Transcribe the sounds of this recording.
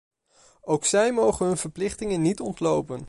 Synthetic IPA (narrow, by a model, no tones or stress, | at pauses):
owksɛjmowχənɦɵnvəɹplɪχtɪŋənːitɔntlowpən